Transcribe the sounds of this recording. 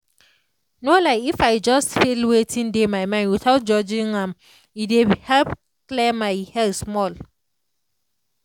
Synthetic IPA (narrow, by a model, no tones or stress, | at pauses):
nolaɪifaɪd͡ʒʌstfilwetʰĩndemaɪmãnwiθaʊt̚d͡ʒɔd͡ʒĩŋãm | idehɛlp | klɛmaɪhɛlsmɔl